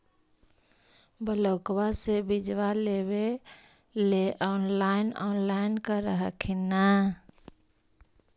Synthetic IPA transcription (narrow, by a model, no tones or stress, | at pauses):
bələːkwasebid͡ʒʋalewe | leʔɔːnlaːɪnɔnlaɪnkaɾəɦə̰kʰena